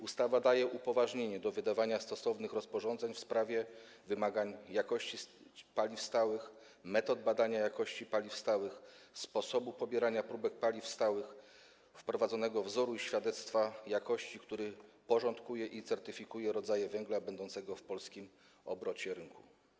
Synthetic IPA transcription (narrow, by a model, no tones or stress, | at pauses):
ust̪avad̪ajɛʔupɔvaʐɲeɲɛd̪ɔvɘd̪avaɲast̪ɔsɔvnɘxɾɔspɔʐɔ̃nzɛɲfspɾavʲjɛ | vɘmaɡaɲjakɔɕt͡ɕipalʲifst̪awɘx | mɛt̪ɔd̪̚bad̪aɲajakɔɕt͡ɕipalʲifst̪awɘxspɔsɔbupɔbʲjɛɾaɲapɾubɛk̚palʲifst̪awɘx | fpɾɔvad̪zɔnɛɡɔvzɔɾuiɕfʲjad̪ɛt̪st̪fajakɔɕt͡ɕikt̪uɾɘpɔʐɔnt̪kujɛʔit̪sɛɾt̪ɘfʲikujɛɾɔd̪zajɛvɛŋɡlabɛnd̪ɔnt̪sɛɡɔfpɔlskʲim | ɔ̰bɾɔt͡ɕɛɾɘŋku